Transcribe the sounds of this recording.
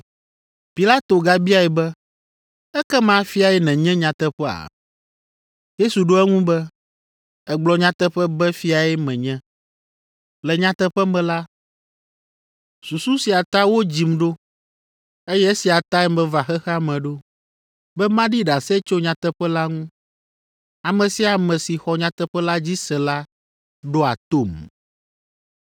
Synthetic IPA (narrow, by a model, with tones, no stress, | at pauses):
pi˨la˦t̪o˨ɡa˦bi˦a˨ɛ˨bɛ˦ | ɛ˦kɛ˦mã˦fi˦a˨ɛ˦nɛ̃˨ɲɛ̃˦ɲã˨t̪ɛ˦ɸɛ˦a̰˨ | je˦su˨ɖo˦ɛ˦ŋũ˦bɛ˦ | ɛ˦ɡ͡blɔ˨ɲã˦t̪ɛ˦ɸɛ˦bɛ˦fi˦a˨ɛ˦mɛ̃˨ɲɛ̃˦ | lɛ˨ɲã˦t̪ɛ˦ɸɛ˦mɛ̃˦la˦ | su˨su˦si˨a˨t̪a˦wo˦d͡ʑi˨mɖo˦ | e˦jɛ˦si˨a˨t̪a˦ɛ˦mɛ̃˨va˨xɛ˦xa˦mɛ̃˨ɖo˦ | bɛ˦mã˦ɖi˦ɖa˨sɛ˦t͡ʃo˦ɲã˨t̪ɛ˦ɸɛ˦la˦ŋũ˦ | a˨mɛ̃˨si˦a˨mɛ̃˨si˨xɔ˨ɲã˨t̪ɛ˦ɸɛ˦la˦d͡ʑi˦sɛ˨la˦ | ɖo˦a̰˨t̪o˦˨m